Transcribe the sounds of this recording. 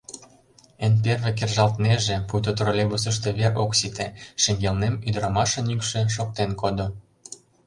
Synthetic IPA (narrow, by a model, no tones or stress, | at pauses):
enp̬erβek̬erʒɑlt̪neʒĕpujt̪ot̪rolʲeɡus̬ə̆ʃt̪ĕβeroksit̪eʃĕŋɡelnemyd̪ɾɑmɑʃɤ̆nykʃĕʃok̚t̪enkod̪o